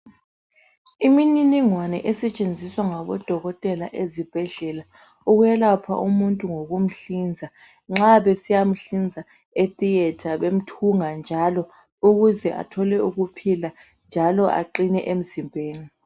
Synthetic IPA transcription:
imininiŋwanɛ̰ʔɛsɛt͡ʃʼend͡zʱiswaŋaβɔ̰d̥ʱɔɣɔtʼɛlaʔezib̥ʱɛɮɛla | uɣwjɛlapʰa̰ʔumuntʼuŋoɣum̩ɬind͡zʱa | ŋ͡ǁaβɛsijam̩ɬind͡zʱa | et̪ʼijɛtʰaβem̩tʰuŋand͡ʒʱalɔ | uɣuzɛʔa̰tʰɔlɛuɣupʰila | nd͡ʒʱalɔʔa̰ǃinɛʔem̩zimbʱeːni

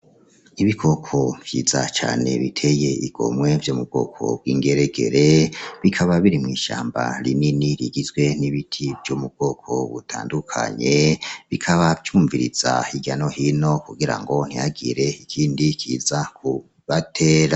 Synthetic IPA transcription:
iβikʰo̞kʰovjḭːz̥a̰t͡ʃa̰ːne̞̰βitʰe̞je̞iɡ̥o̞̰mŋwe̞vjoːmub̚ɡ̥o̞ːkʰo̞̰b̚ɡwiːŋɡe̞ɾeɡe̞̰ɾe̞βikʰaβaβiɾimŋiːʃaːmba̰ɾḭniniɾiɡizɡwe̞niβitʰivjomub̚ɡ̥o̞ːkʰo̞̰βutʰaːndukʰa̰ɲe̞βikʰaβat͡ʃuːɱviɾḭz̥ahiɟano̞hino̞kuɡiɾa̰ŋɡo̞n̥ijaɡiɾe̞ikʰiːndikʰiːzakʰu | βatʰeːɾa

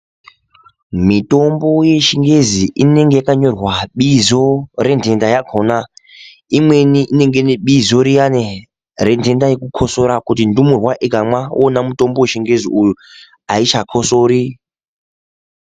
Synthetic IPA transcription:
mito̞mbo̞je̞ʃiŋɡe̞ziʔine̞ŋɡe̞jakaɲo̞rwaɓizo̞re̞nde̞ndajaɡʰʱona | imwe̞niʔine̞ŋɡeniɓizo̞ɾijane | ɾe̞nde̞ndajekukʰoso̞ɾakutindumurwaʔekamwawonamuto̞mboweʃiŋɡe̞ziʔuju | ait͡ʃakʰosoːɾi

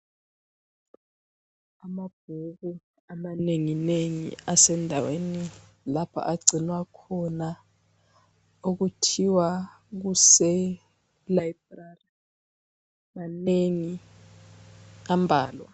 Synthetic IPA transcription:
amab̥̚ʱuk̬u | amaneŋineŋḭasɛndʱaweni | lapʰa̰ʔaɡ͡ǀʱinwakʰɔna | uk̬utʰiwa | k̬usɛ | laibrari | maneŋi | ambʱaːlwa̰

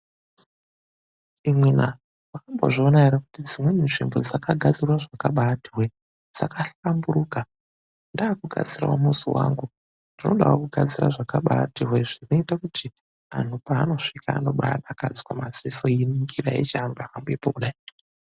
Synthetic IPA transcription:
imwena | wakambo̞̰ʐionaeɾakutid͡zimwe̞minʐimbo̞d͡zakaɡʱad͡zirwaʐakaɓatirwe | d͡z̥a̰kaɬamburuːka | ndaːkuɡʱa̰d͡zira̰wa̰musḭwa̰ŋɡu | ndino̞ɗawakuɡʱad͡zira̰ʐakaɓa̰tirweʐino̞itakutʰi | a̰n̤upaːno̞ʂika̰ːno̞ɓa̰a̰ɗakad͡zwamazisoiniŋɡira̰ḛt͡ʃaːmbeakambuepokuɗai

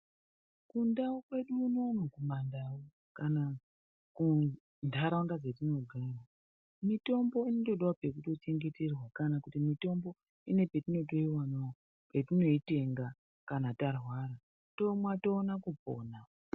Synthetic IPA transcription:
kundaokwe̞ɗuːno̞nokumandawo | kana | ku | ndʱaɾauŋdad͡zetino̞ɡʱara | mito̞mbo̞inoto̞ɗawape̞kuto̞t͡ʃe̞ŋɡe̞terwakanakutimito̞mbo̞ | ine̞pe̞tino̞t̬o̞iwana | pe̞tino̞ite̞ŋɡa | kanatarwaːɾa | to̞mwato̞ːnakubʱo̰ːna

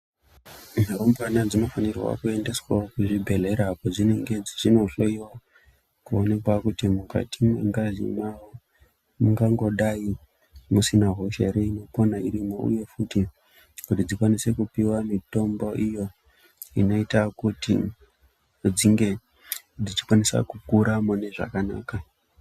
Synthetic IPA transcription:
nerumbanad͡zino̞fanirwa̰kue̞nde̞swakuʐibʱe̞ɮe̞ɾapod͡zineŋɡe̞d͡ziʐino̞ɬoiwa | kuone̞kwakutimuka̰tʰimwḛŋɡaʐḭna | muŋɡaŋɡo̞ɗai | musinaɦo̞ʃeɾeino̞ponaiɾimaṵje̞futi | kutid͡zikwanise̞kupiwamito̞mbo̞ʔijo̞ | ḭno̞itakutḭ | d͡ziŋɡe̞ | d͡zit͡ʃi̥kwanisa̰kukuɾamone̞ʐa̰kana̰ːka

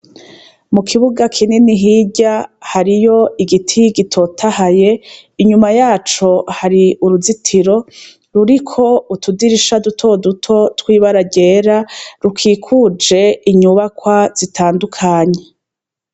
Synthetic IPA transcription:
mukʰiβuɡakʰininiɦiɟahaɾijo̞iɡitʰiɡitʰo̞tʰahaje̞ | iɲumajaːt͡ʃo̞haɾiuɾuzitʰiɾo̞ | ɾuɾikʰo̞utʰudiɾiʃadutʰo̞dutʰo̞twiːβaɾaɟe̞ːɾaɾukʰiːkʰud͡ʒe̞iɲuβakwaz̥itʰaːndukʰaːɲe

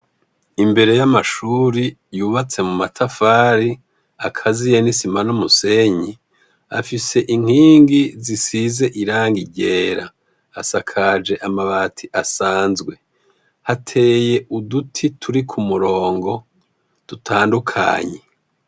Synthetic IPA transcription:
imbe̞ɾe̞jamaʃuɾijuːβat͡se̞mumatʰafaːɾi | akʰazijenisimanomuse̞ɲi | a̰fise̞ʔiŋ̥hiːŋɡizisize̞ʔiɾaːŋɡiɟeːɾaː | sakʰad͡ʒe̞ʔamaβatʰiʔasaːnzɡwe̞ | hatʰe̞ːje̞ʔudutʰitʰuɾikʰumuɾo̞ːŋɡo̞ | d̥utʰaːndukʰa̰ːɲe

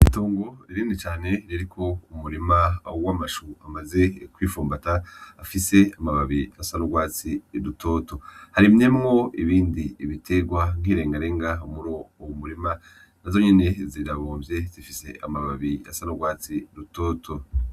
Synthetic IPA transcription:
itoːŋɡo̞iɾiːndit͡ʃaːne̞ɾiɾikʰo̞umuɾimawaːmaʃuamaze̞kwiːfuːmbataːfise̞amaβaβiasanoɡwaːt͡siɾuto̞ːto̞haɾimɲe̞mŋo̞iβiːndiiβitʰe̞ɡwaŋ̥hiːɾe̞ːŋɡaɾeːŋɡaumuɾo̞owumuɾima | nazo̞ɲene̞ziɾaβoːvje̞zifise̞̰ʔa̰maβaβia̰sanoɡwaːt͡siɾuto̞ːtʰo̞

